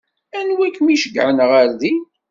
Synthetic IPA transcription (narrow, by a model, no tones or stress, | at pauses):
ænwækːmiʃəɡʕənʁaɾði